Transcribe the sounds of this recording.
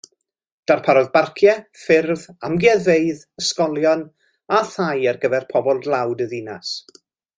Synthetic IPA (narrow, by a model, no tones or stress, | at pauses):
d̥arpʰaɾɔðbarkʰjɛfɪrðamɡjɛðeɨð | əskɔlˠjɔn | aθajərɡəvɛrpʰɔbɔlˠdlˠawdəðinas